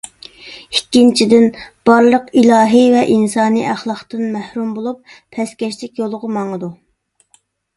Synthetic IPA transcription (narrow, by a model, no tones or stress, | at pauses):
ikʲːint͡ʃʰid̪ɪnb̥ɑɾlˠəqilˠɑːɦɨvɛʔinsɑːnḭʔæχlˠɑχt̪ɨnmæhɾumbolˠupʰ | ɛskʲɛʃlɪkʲjolˠʁʊmɑŋəd̪u